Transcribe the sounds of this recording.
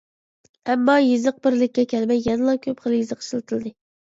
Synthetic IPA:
ɛmːɑjezɨq̚bɪɾlɪkʲːɛkʲʰɛlmɛjːɛnɨlˠɑkʲʰøpχəlˠɨjizɨqʃilˠɨt̪ʰɨlˠɨd̪ɨ

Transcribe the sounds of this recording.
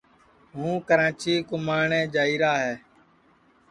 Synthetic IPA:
ɦũːkəɾãːt͡ʃiːkʊmaːɳẽːd͡ʒaːiːɾaːɦɛː

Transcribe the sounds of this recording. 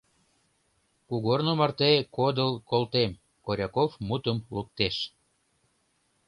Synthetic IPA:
kuɣornomɑrt̪ekod̪əlkolt̪em | koɾʲɑkofmut̪əmluk̚t̪eʃ

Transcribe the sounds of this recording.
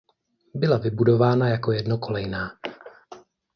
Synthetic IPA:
bɪlavɪbudo̞vaːnajako̞jɛdno̞ko̞lɛjnaː

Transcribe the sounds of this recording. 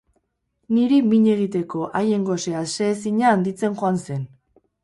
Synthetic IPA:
niɾimiɲe̞ɣ̞it̪e̞ko̞ʔaje̞ŋɡo̞se̞ase̞ːsiɲaːnd̪it͡se̞nxo̞anse̞n

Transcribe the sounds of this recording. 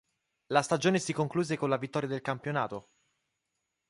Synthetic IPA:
last̪ad͡ʒoːnesikoŋkluːzekonlavit̪ːɔːɾjad̪elkampjonaːt̪o

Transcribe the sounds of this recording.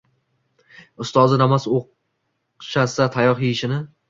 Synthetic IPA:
ʊst̪ɒzɪnamasoq | ʃasat̪ʰajɒχjiɪʃɪnɪ

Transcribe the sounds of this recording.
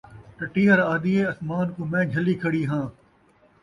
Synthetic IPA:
ʈɐʈiːɐɾaːd̪iːeːɐsmaːnkoːmɛ̃ːd͡ʒʱɐliːkʰəɽiːɦãː

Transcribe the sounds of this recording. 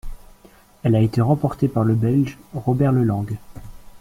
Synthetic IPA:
ɛlaet̪eʁɑ̃pɔʁt̪epaʁləbɛlʒʁɔbɛʁləlɑ̃ɡ

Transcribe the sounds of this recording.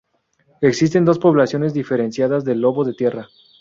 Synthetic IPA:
e̞ksis̬t̪e̞nd̪o̞spo̞βlasjo̞nezd̪ife̞ɾe̞nsjaðazðe̞lːo̞βo̞ðet̪je̞ra

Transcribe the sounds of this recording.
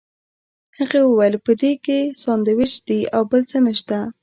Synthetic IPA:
haɣewəwajəlpəd̪ekesɑnd̪əwɪʃd̪̥iawbəlt͡sənəʃt̪a

